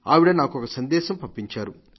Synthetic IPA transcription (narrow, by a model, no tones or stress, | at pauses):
a̰ːʋiɽɐnaːkuɔkɐsɐnd̪ɛːʃɐmpɐmpːiɲt͡ʃaːɾu